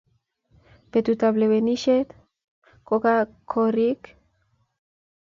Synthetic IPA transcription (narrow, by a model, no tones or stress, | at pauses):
pet̪ut̪aβleβeniʃet̪ | kokakʰorik